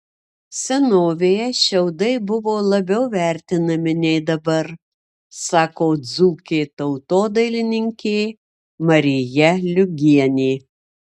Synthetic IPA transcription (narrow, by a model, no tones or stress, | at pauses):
sʲɛnoːʋʲeːjɛʃʲɛʊd̪ɐɪbʊʋoːlˠɐbʲɛʊʋʲæˑɾʲt̪ʲɪnɐmʲɪnʲɛɪd̪ɐbɐɾ | sɑːkoːd̪zuːkʲeːt̪ɐʊt̪oːd̪ɐɪlʲɪnʲɪŋʲkʲeː | mɐɾʲɪjɛlʲʊɡʲiɛnʲeː